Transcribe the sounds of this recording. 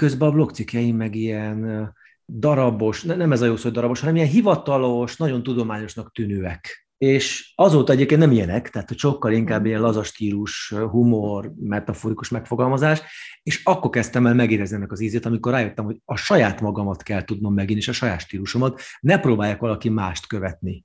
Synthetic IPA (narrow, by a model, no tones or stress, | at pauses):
køzbɛɒblo̞kt̪sikjɛjimɛɡijɛn | d̪ɒɾɒbo̞ʃnɛnɛmɛzɒjoːsojd̪ɒɾɒbo̞ʃhɒnɛmijɛnɦivɒt̪ɒloʃnɒɟo̞nt̪ud̪o̞maːɲo̞ʃnɒk̚t̪ynøːɛk | eːʃɒzoːt̪ɒɛɟeːp̚kennɛmijɛnɛkt̪ɛɦaːt̪hocʃo̞kːɒliŋkaːbːiɛnlɒzɒʃt̪iːluʃɦumormɛt̪ɒfoːɾikuʃmɛkfo̞ɡɒlmɒzaːʃeːʃɒkːo̞rkɛst̪ɛmɛːlmɛɡeːɾɛzniɛnːɛkɒziːzeːt̪ɒmikorːaːjøt̪ːɛmho̞ɟɒʃɒjaːt̪mɒɡɒmɒt̪kɛlt̪ud̪no̞mːɛɡinːeːʃɒʃɒjaːt̪ʃt̪iːluʃomɒt̪nɛproːbaːjaːkʋɒlɒkimaːʃt̪køvɛt̪ni